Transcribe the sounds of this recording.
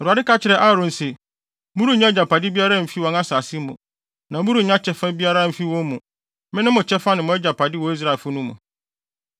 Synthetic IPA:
ɔ˨ɾu˨a˨dɪ˦ka˦t͡ɕʰɪ˨ɾɛ˦ʔa˦˨ɾʊ̃˨n̩˨sɪ˨ | mũ˦ɾu˦ɲã˦d͡ʑa˨pʰa˨dɪ˦bi˦a˦ɾa˦˨m̩˨fi˦wɔ̃˨ŋa˦saː˨sɪ˦mṵ̃˨ | nã˨mũ˦ɾu˨ɲã˦t͡ɕʰɛ˦fã˦bi˦a˦ɾa˦˨m̩˨fi˦wɔ̃˦mũ˨ | mɪ̃˦nʊ̃˦mʊ̃˨t͡ɕʰɛ˦fã˦nɪ̃˨mʊ̃˨˦ɛ˦d͡ʑa˨pʰa˨dɪ˦wɔ˨˦i˦s̬ɾa˨e˨fʊ˦nũ˦mṵ̃˨

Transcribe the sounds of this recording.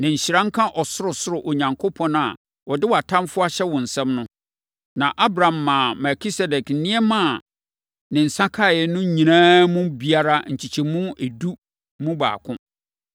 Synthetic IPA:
nɪ̃˨ɲ̩˨ɕɾã˦ŋ̩˦kʰã˦ʔɔ˨sʊ˦ɾʊ˨sʊ˦ɾʊ˨ʔo˨ɲã˨ŋkʰo˦pʰɔ̃˦nʊ̃˦a̰˨ | wɔ˨dɪ˦wa˨tʰã˦mfʊ˦a˦ɕɛ˦wɔ̃˨n̩˨sɛ̃˦mnʊ̃˦ | nã˨ʔa˦bɾã˨mːãː˨mɛ˨ki˦sɛ˨dɛ˨kn̩˨˦nɪ̃˦ɛ˦mã˦˨ | nɪ̃˨n̩˨sa˦kʰa˦˨jɛ˨nʊ̃˦ɲĩ˨nãː˦mʊ̃˦bi˨a˦ɾa˦ɲ̩˨t͡ɕʰi˨t͡ɕʰi˨mũ˦e˨du˦ | mũ˦ba̰ː˨kʰʊ̃˦

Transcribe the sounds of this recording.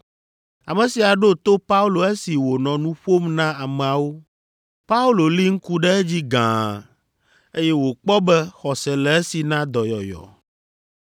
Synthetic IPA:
a˨mɛ̃˨si˨a˨ɖo˦t̪o˦pa˦u˦lo˨e˦si˨wo˨nɔ̃˨nũ˦ɸo˦mnã˦a˨mɛ˨a˨wo˦ | pa˦u˦lo˨li˦ŋ̩˦ku˦ɖɛ˦ɛ˦d͡ʑi˦ɡã̰˨ | e˦jɛ˦wo˨k͡pɔ˦bɛ˦xɔ˨sɛ˨lɛ˨ɛ˦si˨nã˦d̪ɔ˨jɔ̰˨jɔ̰˨

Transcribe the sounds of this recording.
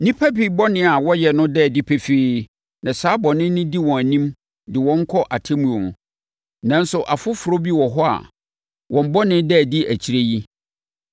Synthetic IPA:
nĩ˦pʰaæ˦bi˨bɔ˦nɪ̃˦a˨wɔ˦jɛ˨nʊ̃˦dɛ˦˨di˦pʰe˦feː˦ | nã˨saː˦bɔ˨nɪ̃˦nɪ̃˦di˦wɔ̃˨æ˨nĩ˦m | dɪ˨wɔ̃˦ŋ̩˦kʰɔ˦ʔa˨tʰe˦mũ˨õ˨ñ˨ | nã˦n̩˦sʊ˨ʔa˨fʊ˦fʊ˨ɾo˦bi˦wɔ˨ɦɔ˦a̰˨ | wʔɔ̃˨m˦bɔ˦nɪ̃˦dɛ˦˨di˦ʔæ˨t͡ɕʰi˨ɾe˦ji˦

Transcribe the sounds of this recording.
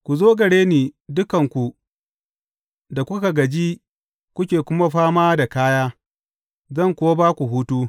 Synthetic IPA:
kʷu˨zoː˦ɡɐ˨ɽeː˦niː˨dʊ˦kɐ˨ŋkʷu˨ | da˨kʷʊ˦ka˨ɡɐ˨d͡ʒi˦ | kʷʊ˦kʲeː˨kʷʊ˦ma˦ɸaː˦maː˦da˨kaː˦jaː˦ | zɐ˦˨ŋkʷʊ˨wa˦baː˦kʷu˨ɦuː˦tuː˦

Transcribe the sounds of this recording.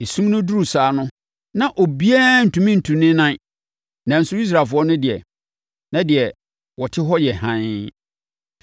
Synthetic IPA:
e˨sũ˦mnʊ̃˦du˦u˨saː˨˦nʊ̃˦ | nã˨ʔo˨bi˦a˦n̩˨tʰũ˨mĩ˦n̩˨tʰũ˨nɪ̃˦nã˦ | nã˨n̩˨sʊ˦i˦s̬ɾa˨fʊ˦ɔ˦nʊ̃˦dɪ˨ɛ̰˨ | nã˨˦dɪ˨ɛ˨ | wɔ˨tʰɪ˦ɦɔ˦jɛ˨hã˦n˦

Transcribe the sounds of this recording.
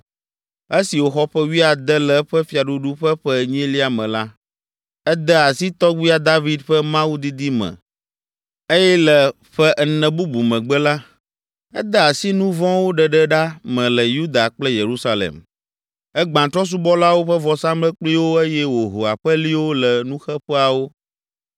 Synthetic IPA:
e˦si˨wo˨xɔ˦ɸɛ˦wi˦a˨d̪ɛ˦lɛ˨˦ɸɛ˦fi˨˦a˨ɖu˦ɖu˦ɸɛ˦ɸɛ˦ɲɛ̃˦li˦a˨mɛ̃˨la˦ | ɛ˦d̪ɛ˦a˨si˦t̪ɔ˦ɡ͡bi˦a˦d̪a˦vi˨˦d̪ɸɛ˦mã˦wu˦d̪i˦d̪i˦mɛ̰̃˨ | e˦jɛ˦lɛ˨ | ɸɛ˦ʔnɛ̃˨bu˦bu˨mɛ̃˨ɡ͡bɛ˦la˦ | ɛ̰˦d̪ə˦a˨si˦nũ˦vɔ̃˦wo˦ɖɛ˨ɖɛ˦ɖa˦mɛ̃˨lə˨ju˦d̪a˨k͡plɛ˦je˨ɾu˦sa˦lḛ˨m | ɛ˦ɡ͡bã˨t̪ɾɔ˦s̬u˦bɔ˦la˦wo˦ɸə˦vɔ˨sã˦mlɛ˦k͡pli˦wo˦e˦jɛ˦wo˨ɦo˨a̰˨ɸə˦li˦wo˦lɛ˨nũ˦xɛ˦ɸɛ˦a˨wo˦

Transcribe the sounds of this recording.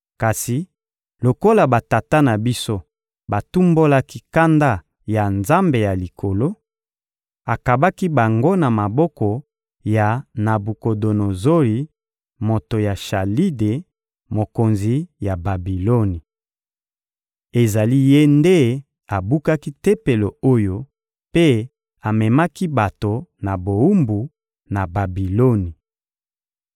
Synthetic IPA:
ka˨si˨ | lo˨ko˦la˨ba˨ta˨ta˦na˨bi˦so˦ | ba˨tu˦mbo˦la˦ki˦ka˦nda˦ | ja˨nza˦mbe˨ja˨li˨kʰo˨lo˦ | a˨ka˨ba˦ki˦ba˨ŋɡo˦na˨ma˨bɔ˦kɔ˨ | ja˨na˨bu˨ko˨do˨no˨zo˦li˨ | mo˨to˨ja˨ʃa˨li˦de˨ | mo˨ko˨nzi˨ja˨ba˨bi˨lo˦ni˨ | e˨za˨li˦je˦nde˦ | a˨bu˦ka˦ki˦te˦pe˨lo˨o˦jo˦ | pe˦ | a˨mɛ˨ma˦ki˦ba˨to˨na˨bo˨u˦mbu˨ | na˨ba˨bi˨lo˦ni˨

